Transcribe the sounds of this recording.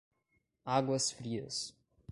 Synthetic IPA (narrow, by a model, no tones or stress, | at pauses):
aɡwɐsfɾiːə̰s